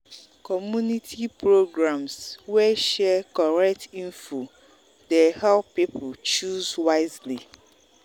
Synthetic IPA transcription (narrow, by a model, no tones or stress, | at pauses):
kɔmjunitʰipɹoɡɹãmswɛʃɛkɔɹɛk̚tĩnfu | dehɛlppipt͡ʃuzwaɪzli